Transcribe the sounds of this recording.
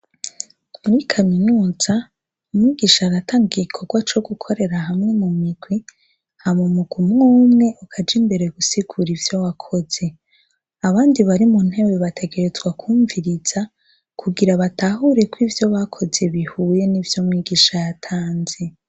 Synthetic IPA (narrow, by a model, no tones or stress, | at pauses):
muɾikʰaminuːz̥a | umŋiːɡiʃaɾataːŋɡɡikʰo̞ɡwat͡ʃo̞ɡukʰo̞ɾe̞ɾaɦamŋe̞mumiɡwi | hamumuɡ̥wumŋuːmŋe̞ʔokʰad͡ʒimbe̞ɾe̞ɡusiɡ̥uɾivjowakʰo̞z̥e̞ | aβaːndiβaɾimun̥he̞weβatʰe̞ɡe̞ɾe̞zɡwakʰuːɱviɾiz̥a | kʰuɡiɾaβataɦuɾe̞kwivjo̞βakʰo̞ze̞βihuje̞nivjomŋiːɡiːʃajatʰaːnze̞